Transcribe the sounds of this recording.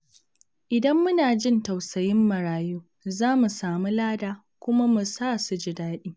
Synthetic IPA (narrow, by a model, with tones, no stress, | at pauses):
ʔɪ˨dɐ˦mːʊ˦naː˨d͡ʒɪ˦nta˨wsɐ˨jɪ˦mːɐ˨ɽaː˨juː˦ | zaː˦mu˨saː˨mu˦laː˦daː˦ | kʷʊ˦ma˦mʊ˨saː˦˨su˨d͡ʒɪ˨daː˦ɗiː˦